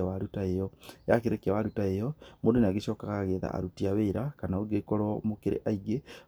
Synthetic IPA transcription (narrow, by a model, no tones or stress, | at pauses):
awaɾutaejɔjakeɾekawaɾutaejɔmoːdoneaɡeɕɔːkaɣaɣeːða̰a̰ɾutiaβeɾakanaoɡekɔɾɔmokeɾʔḛʔaiɡe